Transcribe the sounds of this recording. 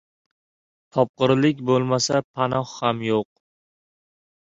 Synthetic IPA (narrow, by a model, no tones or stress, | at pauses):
t̪ʰɒp̚qɨɾlɪkʲbolˠmasapʰanɒhhamjoq̚